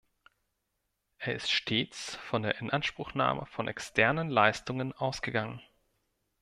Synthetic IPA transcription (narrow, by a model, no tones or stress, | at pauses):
ʔeːɐɪstʃtʰeːt͡sfɔndeːɐʔɪnʔanʃpʁ̥ʊxna̰ːmʔə̰fɔnʔɛ̰kstʰɛɐnənlaɪstʊŋənʔaʊsɡ̥əɡaŋən